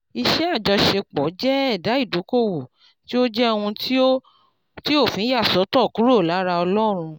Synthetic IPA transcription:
i˧ʃɛ˦a˦˨d͡ʒɔ˧ʃe˧k͡pɔ˨˦d͡ʒɛ˦ɛ˦˨da˨˦i˦˨do˨˦ko˦˨wo˨ | ti˦o˦d͡ʒɛ˦o˧wũ˧ti˦o˦ | ti˦o˦˨fĩ˨˦ja˦˨sɔ˨˦tɔ˦˨ku˨˦ɾo˦˨la˨˦ɾa˧ɔ˧lɔ˦ɾ̃ũ˧

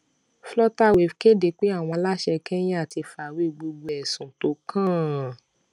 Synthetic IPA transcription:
flɔ˦ta˦˨we˨fke˦de˨k͡pe˦a˦˨w̃ɔ̃˧la˦ʃɛ˧kɛ̃˦j̃ɛ̃˦a˦˨ti˧fa˨we˦˨ɡ͡bo˧ɡ͡bo˧ɛ˨sũ˨to˨˦kʰã˦˨

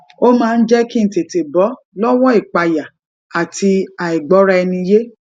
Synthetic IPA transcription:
o˦mãː˦˧n̩˦d͡ʒɛ˦kĩ˦n̩˨te˨te˨bɔ˨˦ | lɔ˦wɔ˦i˦˨k͡pa˨ja˨ | a˨ti˧a˨i˨ɡ͡bɔ˨˦ɾa˧ɛ˧nĩ˧je˦

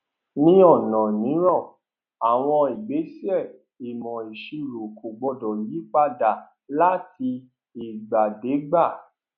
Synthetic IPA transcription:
nĩ˦ɔ˦˨nɔ̃˨nĩ˨˦ɾ̃ɔ̃˦˨ | a˨w̃ɔ̃˧i˨ɡ͡be˨˦si˦ɛ˦˨ | i˨mɔ̃˨e˨ʃi˧ɾo˨ko˨ɡ͡bɔ˧dɔ˨ji˨˦k͡pa˦da˨ | la˦ti˧ | i˨ɡ͡ba˨de˨˦ɡ͡ba˦˨

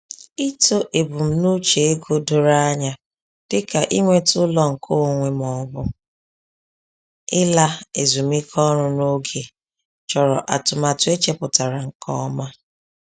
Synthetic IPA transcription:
i˦to˦ʔe˨bu˨m̩˦nu˦t͡ʃe˨e˦ɡo˦do˨ɾa˦ɲa˨ | d̥ɪ˦ka˨ʔi˦ŋʷe˦tʊ˦lɔ˦ŋ̩˨kʰo˦˨ŋʷe˨m˨ɔ˨bʊ˦ | ɪ˦la˦e˨zu˨mi˦kʰɔ˦ɾʊ˦no˦ɡe˨ | t͡ʃɔ˨ɾɔ˨ʔa˨tʊ˨ma˨tʊ˦e˦t͡ʃe˦pʊ˨ta˨ɾa˨ŋ̩˨kʰɔ̰˦ma˦

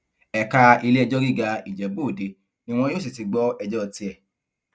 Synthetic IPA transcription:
ɛ˨ka˧i˧le˦ɛ˧d͡ʒɔ˦ɾi˦˨ɡa˧i˨d͡ʒɛ˨bo˦˨de˨˦ | nĩ˦w̃ɔ̃˦joː˦˨s̬i˨ti˨˧ɡ͡bɔ˦ɛ˧d͡ʒɔ˦ɔ˧ti˧ɛ˨

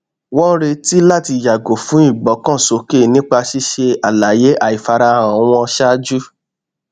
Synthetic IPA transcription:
wɔ̃˦ɾe˧ti˦la˦˨ti˧ja˨ɡo˨fũ˨˦i˦˨ɡ͡bɔ˨˦kɔ̃˦˨so˨˦ke˦˨nĩ˦k͡pa˧ʃi˦ʃe˧a˨la˨je˨˦ʔa˦˨i˨fa˧ɾa˧˨a˨˦w̃ɔ̃˧ʃa˦d͡ʒu˦

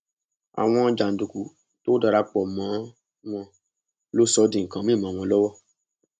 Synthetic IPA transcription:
a̰˨w̃ɔ̃˧d͡ʒa˨n̩˨du˨ku˨ | to˦da˧ɾa˧k͡pɔ˨mã˨˦ | w̃ɔ̃˧ | lo˦sɔ˧˦dĩ˨ŋ̩˨kã˨˦mĩ˦˨mã˨w̃ɔ̃˧lɔ˦wɔ˦˨

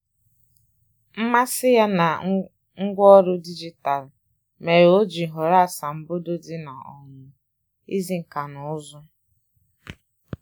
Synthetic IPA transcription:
m̩˦ma˦sɪ˦ja˦na˨ | ŋ̩˦ɡʷɔ˦ɾʊ˦di˦d͡ʒi˦ta˨l | me˨ɾo˦d͡ʒi˨ɦʊ˨ɾa˦˨sa˨m̩˦bo˦do˦di˦na̰˨ɔ̰˨ŋʊ˨ | i˦zi˦ŋ̩˨ka˨nʊ˨ʊ˦zʊ˦

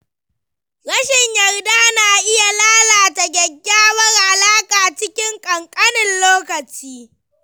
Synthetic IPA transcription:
ɽɐ˦ʃɪ˨ɲjɐ˨rdaː˦naː˨ʔɪ˦ja˨laː˦laː˨ta˨ɡʲɐ˨ɡʲːaː˦wɐ˦rʔa˨laː˦kʼaː˨t͡ʃɪ˦kʲɪ˦ŋkʼɐ˨ŋkʼɐ˦nɪ˨nloː˦kɐ˨t͡ʃiː˦

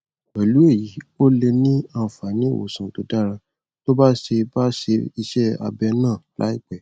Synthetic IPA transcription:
wɛ˨lu˨˦e˦˨ji˨˦o˦le˧nĩ˦a˧˨fa˨nĩ˨˦˨wo̰˨sũ˨to˧da˦˨ɾã˧ | to˦ba˦ʃe˧ba˦ʃe˧i˧ʃɛ˦a̰˧bɛ˧nãː˦˨la̰˨˦i˦˨k͡pɛ˨

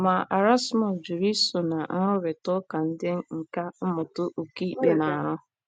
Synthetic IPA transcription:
ma˨ʔa˨ɾa˦smɔ˨sd͡ʒu˨ɾi˦sʊ˨na˨ŋ̩˦ɾʊ˦be˨tʊ˦ka˨n̩˦dɪ˦ŋ˦ŋ̩˨ka˦m̩˦mʊ˨tʊ˦ʔo˨ki˦i˦˨k͡pe˨na˨ɾʊ˦

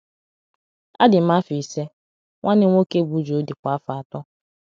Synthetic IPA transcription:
a˦dɪ˨m̩˦a˦fi˨se˦ | ŋʷa˦nɪ˦ŋʷo˦ke˦˨bu˨˦d͡ʒo˦di˨kʷa˨a˦fa˨a˨tɔ˦

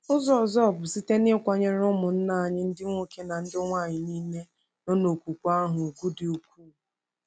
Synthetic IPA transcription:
ʊ˦zɔ˨zɔ˦ɔ˨bʊ˨si˦te˦nɪ˦kʷa˨ɲe˦ɾʊ˦mʊ˨n̩˦na˦˨a˨ɲɪ˦n̩˦dɪ˦ŋʷo˦ke˦na˨n̩˦dɪ˦ŋʷa˦˨ɲɪ˨niː˦ne˦ | no˦no˨kʷu˨kʷa˦ɦʊ˨ɡu˦dɪ˨o˨kʰʷuː˦˨

